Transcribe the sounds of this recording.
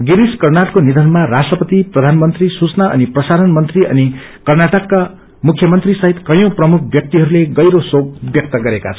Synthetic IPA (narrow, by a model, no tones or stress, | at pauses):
ɡiɾiskʌrnaʈkonid̪ʱʌnmarasʈrʌpʌt̪iprʌd̪ʱanmʌnt̪risut͡snaʌ̰niprʌsaɾʌnmʌnt̪riʌ̰ni | kʌrnaʈʌkːa | mukʰjʌmʌnt̪risʌɦit̪kʌjõprʌmukʰbjʌk̚t̪iɦʌɾuleɡʌjɾosob̚bjʌk̚t̪ʌɡʌɾeka̰t͡sʰʌ